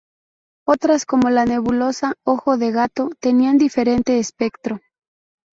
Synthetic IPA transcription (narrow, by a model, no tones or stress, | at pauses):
o̞t̪ɾasko̞mo̞lane̞βulo̞sao̞xo̞ðeɣat̪o̞t̪e̞niand̪ife̞ɾe̞nt̪e̞ːspe̞kt̪ɾo̞